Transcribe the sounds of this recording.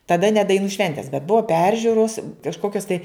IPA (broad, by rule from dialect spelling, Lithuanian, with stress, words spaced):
tɐˈdɐ nʲɛ dɐɪˈnuː ˈʃʲʋʲɛnʲtʲɛs bʲɛt ˈbʊʋɐ ˈpʲɛrʲʒʲuːroːs kɐʃˈkoːkʲoːs tɐɪ